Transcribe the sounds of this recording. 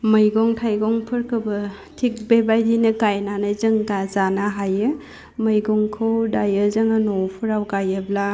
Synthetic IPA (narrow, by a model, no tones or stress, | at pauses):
mɐjɡɔŋtʰajɡɔŋpʰɯɾkʰɯbɐ | tʰik̚bebajdinɐɡajnanazɐŋɡazanaɦajɯ | mɐjɡɔŋkʰɯwdajɯzɐŋanɔwpʰɯɾawɡajɯbla